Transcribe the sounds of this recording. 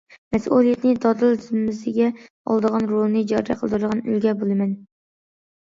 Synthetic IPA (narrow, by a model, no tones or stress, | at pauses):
mæsʔulˠijet̪nɪd̪ɒd̪ɨld̪ʰɪzmɪzɪɡʲɛ | ɒ̰lˠd̪əʁɑnɾolˠnɨd͡ʒɑɾɾɛ̰qʰəlˠd̪ɨɾɨd̪əʁɑny̰lɡʲɛbolˠɪmɛn